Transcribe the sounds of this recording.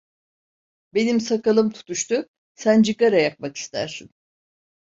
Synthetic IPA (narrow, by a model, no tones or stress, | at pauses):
be̞nimsakalˠɯmt̪ʰu̥t̪ʰuʃt̪ʰʊ | sænd͡ʒɯkaɾajak̚maki̥st̪ʰæ̰ɾsin